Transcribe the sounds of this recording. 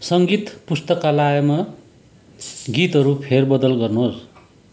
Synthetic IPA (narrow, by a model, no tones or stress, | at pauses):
sʌŋɡit̪pust̪ʌkalaʌma | ɡit̪ɦʌɾupʰerbʌd̪ʌlɡʌrnuɦos